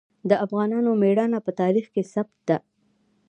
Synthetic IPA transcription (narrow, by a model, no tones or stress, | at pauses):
d̪əafɣɑnɑnomeɽɑnapət̪ɑɾixkesabt̪̚d̪a